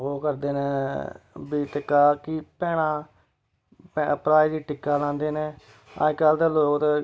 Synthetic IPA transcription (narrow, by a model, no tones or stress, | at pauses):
ɦoːkəɾd̪eːneː | biːt̪ɪkːaːkɪpɛːɽ̃ãː | pɛpɾaːid̪iːʈɪkːaːlãːnd̪eːneː | ã̰ːɪkːaːld̪eːloːkt̪